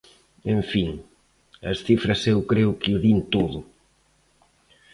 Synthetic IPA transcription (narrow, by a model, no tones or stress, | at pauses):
eɱfiŋ | ɐ̰sθifɾɐsewkɾewkɪuðint̪oðʊ